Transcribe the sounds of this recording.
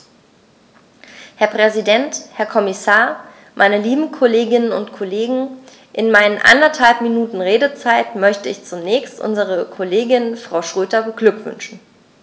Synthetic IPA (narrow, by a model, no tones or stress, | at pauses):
hɛɐpʁ̥ɛzidɛnthɛɐkʰɔmɪsaːɐ | mʔa̰ɪnəliːbm̩kʰoleːɡɪnənʊntkʰoleːɡŋ̩ | ʔɪnmaɪnənʔa̰ndɐthalpminuːtn̩ʁeːdət͡saɪtmœçtəɪçt͡sʊnɛːçstʔʊ̰nzəʁ̞əkʰoleːɡɪnfʁ̥aʊʃʁ̥øːtɐbəɡlʏkv̥ʏ̰nʃn̩